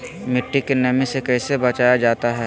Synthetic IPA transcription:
mɪʈːikenɐmisekɛːsebɐt͡ʃaːjad͡ʒaːt̪aɦɛː

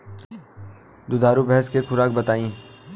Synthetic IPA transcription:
d̪ʊd̪aːɾubɛɦɛskexʊɾaːk̚bɐt̪aːĩː

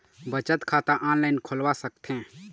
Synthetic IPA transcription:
bət͡ʃət̪kʰat̪aʔanlaɪnkʰolwasəkt̪ʰẽ

